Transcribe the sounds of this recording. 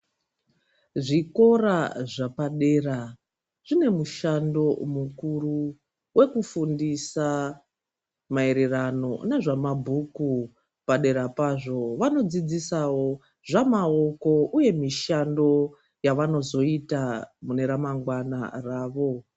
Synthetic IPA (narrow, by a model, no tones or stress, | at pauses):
ʐiko̞raʐapaɗe̞ra | ʐine̞muʃando̞mukuru | we̞kufundisa | mae̞ɾe̞rano̞̰naʐamabʱuku | paɗe̞ɾapaʐo̞ʋano̞d͡zid͡zisawo̞ | ʐamao̞ko̞uje̞miʃando̞ | jaʋano̞zo̞itamune̞ɾamaŋɡwana̰raːʋo̞